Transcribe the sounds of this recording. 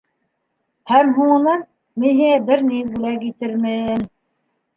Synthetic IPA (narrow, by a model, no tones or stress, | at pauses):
hæmɦuɴɤ̆nɑn | mɘɦɘæbɘɾnibulækit̪ɘɾmɘn